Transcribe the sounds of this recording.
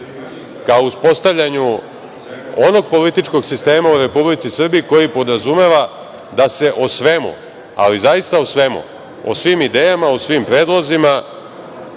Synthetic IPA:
kaouspo̞st̪avʎaɲu | o̞no̞ɡ̚po̞lit̪it͡ʃko̞ɡsist̪e̞ːmauɾe̞publit̪sisr̩biiko̞jipo̞d̪ɾazume̞ʋa | d̪ase̞ʔosʋemṵ | a̰lizajist̪ausʋe̞mṵ | o̰sʋimid̪eːjamausʋimpɾeːd̪lˠozima

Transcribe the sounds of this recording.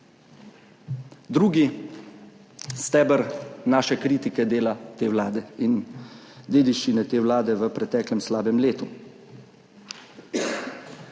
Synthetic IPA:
d̪ɾuːɡi | st̪ɛːbəɾnaːʃɛkɾiːt̪ikɛd̪eːlat̪eːwlaːd̪ɛin | d̪eːd̪iʃt͡ʃinɛt̪eːwlaːd̪ɛʋəpɾɛt̪ɛːklɛmslaːbɛmleːt̪u

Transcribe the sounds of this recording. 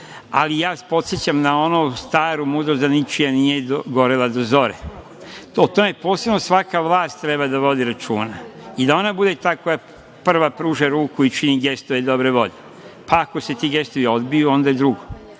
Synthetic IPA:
a̰lijaːspo̞t̪set͡ɕamnao̞nost̪aːɾumud̪ɾozd̪anit͡ʃijanijeɡo̞ɾilˠad̪o̞zo̞ɾe | ot̪o̞me̞po̞ːse̞bno̞sʋakaʋlˠaːst̪ːɾe̞bad̪aʋo̞d̪iɾat͡ʃṵːnaid̪ao̞nabud̪e̞t̪aːko̞ja | pr̩ʋapɾuːʒeɾuːkuit͡ʃiniɡe̞st̪oʋed̪o̞bɾe̞ʋo̞̰ʎe | paːko̞se̞t̪iɡe̞st̪oʋio̞d̪bijuo̞nd̪aed̪ɾuɡo

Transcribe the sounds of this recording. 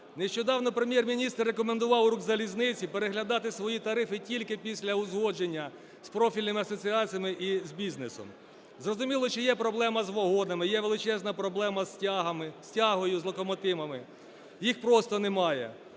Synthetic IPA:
neʃt͡ʃɔd̪ɑwnɔpɾemʲjɛrmʲinʲist̪rːekɔmend̪ʊʋɑwɾuɡzɐlʲiznɪt͡sʲipeɾeɦlʲɐd̪ɑt̪ɪsʋɔjit̪ɐɾɪfɪtʲilʲkɪpʲisʲlʲɐʊzɦɔd͡ʒenʲːɐ | spɾɔfʲilʲnɪmɪɐsɔt͡sʲiɑt͡sʲijɐmɪʔizbʲiznesɔ̰m | zrɔzʊmʲilˠɔʃt͡ʃɔjɛpɾɔblˠɛmɐzʋɔɦɔnɐmɪjɛʋelˠɪt͡ʃɛznɐpɾɔblˠɛmɐsʲɦɐmɪsʲtʲaɦɔjʊzlˠɔkɔmɔt̪ɪmɐmɪ | jixpɾɔst̪ɔnemɑjɛ̰

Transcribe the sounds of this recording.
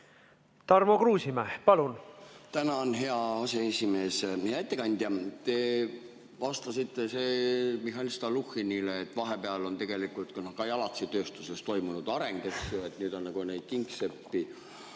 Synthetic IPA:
t̪ɑrmo̞kruːsimæhpɑlunt̪ænɑonɦe̞ɑɑse̞esʲimeːsæt̪ːˑekɑnʲd̪̥ʲjɑt̪e̞ | vɑst̪ɑsit̪ˑːe̞semiɦɑnʲist̪ɑluxinileːt̪ːˑvɑɦe̞peɑlo̞nt̪e̞ɡe̞likːult̪kunokɑejɑlɑt̪sit̪ø̞ːst̪use̞st̪o̞jmunud̪̥ɑɾe̞ŋɡ̥eksjoet̪nyːd̪o̞nːɑɡ̥une̞jd̪̥̚kiŋksepːi

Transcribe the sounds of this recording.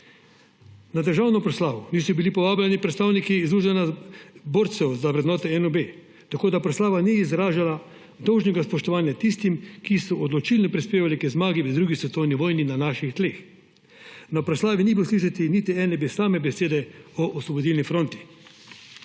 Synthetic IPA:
nad̪əɾʒaːwnɔpɾɔslaːʋɔniːsɔbilipɔʋaːblanipɾɛt̪st̪aːwnikiːzuːʒɛnaboːɾt̪sɛwzaʋɾɛd̪nɔːt̪ɛɛnɔbeː | t̪akoːd̪apɾɔslaːʋaniːzɾaːʒala | d̪ɔwʒnɛɡaspɔʃt̪ɔʋaːnjat̪ist̪imkisɔɔd̪lɔt͡ʃilnɔpɾispeːʋalikɛzmaːɡiʋəd̪ɾuːɡisʋɛt̪oːwniʋɔːjninanaʃixt̪leːx | nɔpɾɔslaːʋinibɔsliːʃat̪init̪iɛːnɛbesaːmɛbɛseːd̪ɛɔʔɔsʋɔbod̪ilnifɾoːnt̪i̥

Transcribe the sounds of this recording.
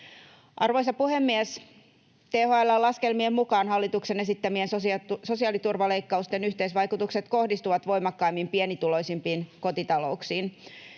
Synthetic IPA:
ʔɑrʋojsɑpuhemːies | t̪eːhoɑelːɑlːɑskelmiemːukɑːnɦɑlːit̪ukse̞nesit̪ːæmiensosso̞siɑːlit̪urʋɑlejkːɑust̪enyçt̪eisʋɑjkut̪ukset̪ko̞hdist̪uʋɑt̪ʋo̞jmɑkːɑimːimpienit̪ulo̞jsimpiːnko̞t̪it̪ɑlo̞uksiːn

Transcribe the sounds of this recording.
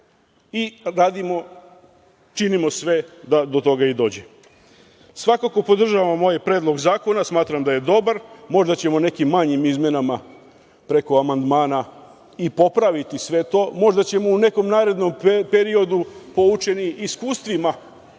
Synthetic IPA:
iɾaːd̪imo̞ | t͡ʃinimo̞sʋe̞d̪ad̪o̞t̪o̞ɡaid̪o̞ːd͡ʑe | sʋakako̞po̞d̪r̩ʒaʋamːo̞jpɾeːd̪lˠo̞ɡzaːko̞nasmaːt̪ɾamd̪aje̞d̪o̞baɾmo̞ʒd̪at͡ɕemone̞kimːaɲimizmje̞nama | pɾe̞ko̞amand̪maːna | ipo̞pɾaʋit̪isʋe̞t̪o̞ːmo̞ʒd̪at͡ɕe̞moune̞ko̞mnaːɾe̞d̪no̞mpeɾio̞d̪upo̞ut͡ʃe̞niiskuːst̪ʋima

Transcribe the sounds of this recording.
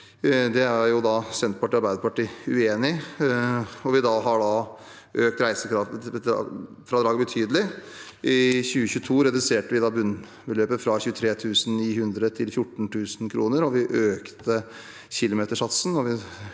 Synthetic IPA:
d̪ɛæɾjʊd̪ɑːsɛnt̪̚pɑʈːɪɑɾbæɪd̪əpɑʈːiːʉeːnɪ | ɔʋɪd̪ɑːɦɑɖɑ | ʔøːk̚t̪ɾæɪsəkʰɾɑfəɑ̰ | fɾɑd̪ɾɑːɡəbət̪ʰyːd̪əlɪ | ʔɪçʉːəçʉːt̪ʰuːɾɛd̪ʉseːʈəʋɪd̪ɑːbʉn | bəløːpəfɾɑçʉːət̪ʰɾeːt̪ʰʉːsn̩niːhʉnd̪ɾət̪ʰɪlfjʊʈːɳ̩t̪ʰʉːsnkʰɾuːnəɾɔʋɪʔøːkt̪ə | çɪlʊmeːt̪əʂɑt̪sn̩ɔʋɪ

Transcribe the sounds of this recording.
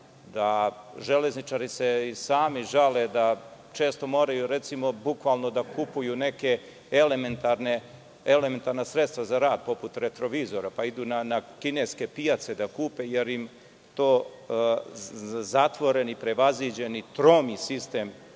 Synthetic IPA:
d̪aʒele̞znit͡ʃaːɾise̞isaːmiʒale̞d̪at͡ʃe̞ːst̪o̞mo̞ːɾajuɾe̞t̪simo̞bukʋaːlˠnod̪akupujune̞ke̞ | element̪aɾne | eleme̞nt̪aɾnasɾet̪st̪ʋazaɾaːd̪̚po̞put̪ɾet̪ɾo̞ʋiːzo̞ɾapaid̪uːnanakineske̞pijat̪sed̪akuːpeje̞ɾim | t̪o̞ː | zat̪ʋo̞ɾe̞nipɾe̞ʋazid͡ʑe̞nit̪ɾomisist̪e̞ːm

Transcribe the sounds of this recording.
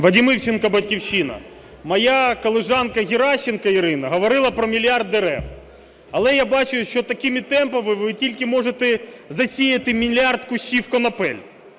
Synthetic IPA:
ʋɐdʲimɪwt͡ʃenkɐbɐtʲkʲiwʃinɐ̰ | mɐjakɔlˠɪʒɑnkɐɣʲɪɾɑʃːenkɐiɾɪnɐɦɔʋɔɾɪlˠɐpɾɔmʲilʲɑrd̪ɛɾɛ̰f | ɐlˠɛjabɑt͡ʃʊjʃt͡ʃɔt̪ɐkɪmʲɪt̪ɛmpɐʋɪʋɪtʲilʲkɪmɔʐet̪ɛzɐsʲijɐt̪ɪmʲilʲart̪kʊʃʲiwkɔnɐpɛ̰lʲ

